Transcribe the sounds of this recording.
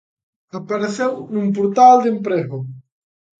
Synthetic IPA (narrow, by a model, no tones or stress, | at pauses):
apaɾeθewnũmpuɾt̪ald̪empɾeɣo